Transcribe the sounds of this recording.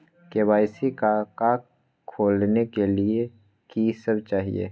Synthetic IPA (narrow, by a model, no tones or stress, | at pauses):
kewaːɪsikakaː | kʰːoːlnekelie | kisɐbt͡ʃaːɦḭḛː